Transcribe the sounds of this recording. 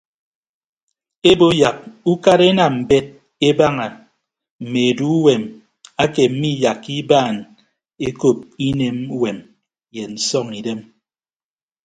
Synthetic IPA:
e˦bo˦ja˨k̚u˦ka˦ɾe˦na˨m̩˨be˦t̚ | e˦ba˦ŋa˨ | m̩˨me˨e˨du˦we˨m | a˦ke˨m̩˦mi˦ja˨kːi˦baː˦˨n | e˦ko˦˨p̚i˦ne˨m˦we˨m | je˨n̩˨sɔ˦ŋi˨de˦m

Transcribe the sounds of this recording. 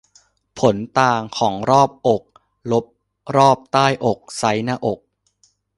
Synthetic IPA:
pʰo˩˦nt̪aː˧ŋkʰɔː˩˦ŋɾɔː˥˩p̚ʔo˨˩k̚ | lo˦˥p̚ | ɾɔː˥˩p̚t̪aː˥˩jʔo˨˩k̚sa˦˥jnaː˥˩ʔo˨˩k̚

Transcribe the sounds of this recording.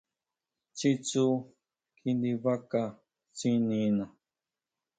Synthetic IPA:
t͡ʃi˦t͡su˦ | kʰi˧nd̪i˧βa˦ka˧ | t͡si˦nĩ˧nã˨

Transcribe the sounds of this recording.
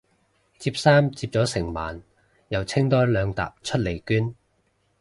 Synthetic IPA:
t͡siː˧p̚saː˥mt͡siː˧p̚t͡sɔː˨˥sɪ˨˩ŋma̰ː˨˩n | jɐ˨˩wt͡sʰɪ˥ŋt̪ɔː˥jlœː˨˧ŋt̪a̰ː˨p̚t͡ʃʰɵ˥t̚le˨˩jkyː˥n

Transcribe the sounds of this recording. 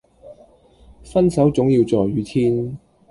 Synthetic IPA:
fɐ˥nsɐ˨˥wt͡sʊ˨˥ŋjiː˧wt͡sɔː˨jɥyː˨˥t̪ʰiː˥n

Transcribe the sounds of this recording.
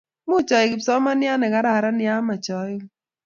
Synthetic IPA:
mʊ˦˨t͡ʃɔ˨ɪ˨kɪ˨psɔ˦ma˦nɪ˦a˦nɛ˨ka˨˦ɾa˨ɾa˦nɪja˦ma˨t͡ʃɔ˨˦

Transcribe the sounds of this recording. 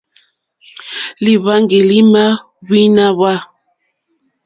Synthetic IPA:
li˨βa˦ŋɡi˨li˦ma˦ | wi˦na˦βa˦

